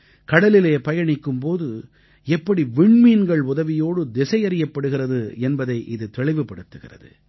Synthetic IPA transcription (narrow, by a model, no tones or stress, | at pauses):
kɐɽɐlɪleːpɐjɐɳɪkːɯmpoːðɯ | ɛpːɐɽiʋɪɳmiːnɡɐɭʊðɐʋɪjoːɽɯd̪ɛsɐjɐɾɪjɐpːɐɽɯɣɪrɐðɯɛnbɐðɐɪʔɪðɯt̪ɛɭɪʋɯpːɐɽɯt̪ːɯɣɪ̰rɐ̰ðɯ̰